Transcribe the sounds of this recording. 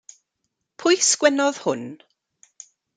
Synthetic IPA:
pʰʊjskwɛnɔð̥hʊn

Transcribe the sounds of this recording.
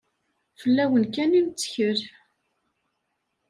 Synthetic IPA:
fəlːæwənkænint͡sːə̥çəɾ

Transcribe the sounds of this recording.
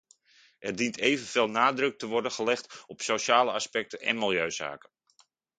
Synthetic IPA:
ɛrdintʰejvənv̥eːlˠnaːdrɵk̚təʋɔɹdənχəlɛχtɔpsowʃaːləɑspɛk̚tənɛ̰nmɪlˠjøɥz̥a̰ːkə

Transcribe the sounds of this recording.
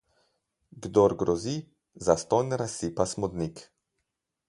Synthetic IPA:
ɡd̪ɔɾɡɾɔzi | zast̪ɔnɾasipasmɔd̪nik

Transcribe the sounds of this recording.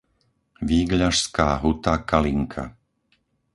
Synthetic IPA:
ʋiːɡʎaʃskaːɦut̪akaliŋkʰa̰

